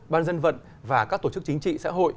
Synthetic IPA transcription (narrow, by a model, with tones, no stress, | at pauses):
ɓaː˧nzə˧nvə̰˧˨n | vaː˨˩kaː˦˥k̚t̪o˧˩t͡ɕɨ˦˥k̚t͡ɕi˨˦ŋ̟t͡ɕḭ˧˨sa̰ː˧˥ɦo̰˧˨j